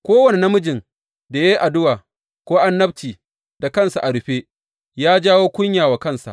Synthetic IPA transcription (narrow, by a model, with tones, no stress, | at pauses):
kʷoː˦wɐ˨ne˨na˦mʊ˦d͡ʒɪ˨ŋ | da˨je˦ʔa˨dʊ˦waː˨ | kʷoː˦ʔa˦nːɐ˦btiː˨ | da˨kɐ˦˨nsa˨ʔa˨ɽʊ˨ɸeː˦ | jaː˦d͡ʒaː˦woː˦kʷʊ˦ɲjaː˨wa˨kɐ˦˨nsa̰˨ʔ